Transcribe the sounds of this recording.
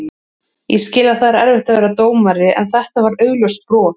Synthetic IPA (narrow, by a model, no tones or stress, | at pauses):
jɛscɪːlaðθaðɾaɛɾvɪht̪avɛːɾat̪oːwmaɾɪʔɛ̰nθɛht̪avaɾœːɥɣljœst̪pɾɔː